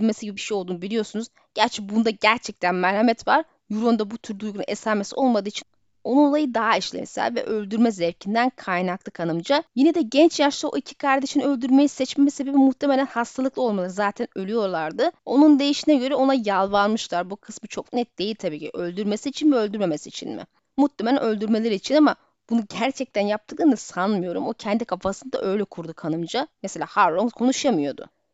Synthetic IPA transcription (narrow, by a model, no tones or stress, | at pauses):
mesiɟibibiʃejolˠd̪uːnubilʲijo̞ɾsunuz | ɟ̥æɾt͡ʃʰɛbund̪aɟæɾt͡ʃʰɛc̚t̪ʰænmɛɾhamɛt̪vaɾ | juɾuund̪abut̪ʰyɾd̪ujɡunṵnesaːmesio̞lˠmad̪ɯːit͡ʃʰin | o̞nunolˠajɯd̪aɦaiʃlʲḛmḭsæ̰ɾvɛ̰ʔø̞lʲd̪yɾmɛzɛpcʰind̪ænkʰajnaklˠɯkʰanɯmd͡ʒajined̪ɛɟɛnt͡ʃjaʃlˠaoʔicʰi̥kʰaɾd̪eʃiniø̞lʲd̪yɾmejisɛt͡ʃmemɛse̞bebimuht̪ʰeme̞lʲænhast̪ʰalˠɯklˠo̞lˠmalˠaɾɯzaːt̪ʰænølʲyjo̞ɾlˠaɾd̪ɯo̞nund̪e̞jiʃinɛɟø̞ɾɛo̞najalˠvaɾmɯʃlˠaɾbukʰɯ̥smɯt͡ʃʰo̞k̚nɛt̪̚d̪̥e̞jilʲt̪ʰabiːcʰiʔølʲd̪yɾme̞siːt͡ʃʰinmiø̞lʲd̪yɾme̞mesiːt͡ʃʰḭnmɪ̰ | mut̪lemelʲɛnø̞lʲd̪yɾme̞lʲeɾiːt͡ʃʰinama | b̥unuɟæɾt͡ʃʰɛc̚t̪ʰænjap̚t̪ʰɯklˠɯnd̪asanmɯjo̞ɾṵmo̞cʰɛnd̪ikʰafasɯnd̪a̰ʔø̞jlʲɛkʰuɾd̪ukʰanɯmd͡ʒamese̞lʲaːhaɾɾoŋkʰo̞nuʃjamɯjo̞d̪ʊ̰